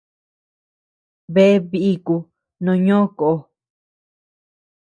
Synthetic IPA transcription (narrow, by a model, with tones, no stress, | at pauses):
βe˦e˦βi˧ʔi˧ku˧ | nõ˧ɲõ˦ko˨ʔo˧